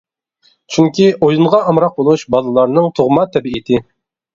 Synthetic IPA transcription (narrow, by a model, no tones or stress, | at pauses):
t͡ʃʰyŋkʲiʔojunʁɑɑmɾɑq̚bolˠuʃbɑlˠɨlˠɑɾnɨŋt̪ʰoʁmɑt̪ʰɛbiit̪ʰɪ